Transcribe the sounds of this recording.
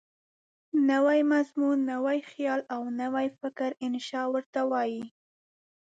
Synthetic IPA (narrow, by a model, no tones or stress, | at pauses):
nawajmazmunːawajxjɑlawnawajfɪkɾɪnʃɑwəɾt̪awɑji